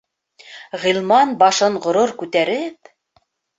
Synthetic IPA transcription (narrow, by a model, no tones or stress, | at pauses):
ʁilˠmɑnbɑʃɤɴʁŏɾoɾkʉt̪æɾɘp̚